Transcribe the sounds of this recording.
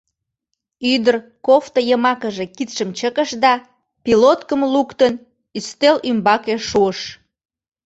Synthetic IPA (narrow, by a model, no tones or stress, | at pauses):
yd̪ərkoft̪ojəmɑkəʒekit̪ʃəmt͡ɕəkəʃd̪ɑ | pilot̪kəmlukt̪ən | yst̪elymbɑkeʃuəʃ